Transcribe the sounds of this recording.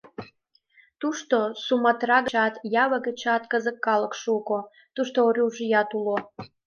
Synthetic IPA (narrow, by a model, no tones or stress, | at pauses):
t̪uʃt̪osumɑt̪rɑɣəɑt̪jɑβəɣət͡ɕɑt̪kəzəkːɑləkʃuko | t̪uʃt̪ooɾʲuʒɨjɑt̪ulo